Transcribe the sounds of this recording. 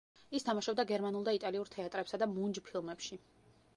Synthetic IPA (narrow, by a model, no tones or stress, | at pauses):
ist̪ʰamaʃab̚d̪aɡɛɾmanulˠd̪ait̪ʼaliuɾt̪ʰɛat̪ʼɾɛpsad̪amund͡ʒpʰilˠmɛpʃi